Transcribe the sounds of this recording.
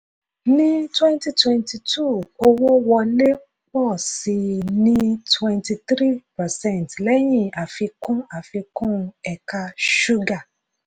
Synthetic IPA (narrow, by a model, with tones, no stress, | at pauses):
nĩ˦twɛ̃˦n˦ti˧twɛ̃˧nti˧tʰu˦˨o˧wo˦wɔ˧le˦k͡pɔ˦˨si˧nĩ˦twɛ̃˧nti˧tɾi˦pa˨sɛ̃˦˨n˨tlɛ˦j̃ĩ˦˨a˨fi˧kũ˦a˨fi˧kũ˦˧ɛ˨ka˧ʃu˦ɡa˦˨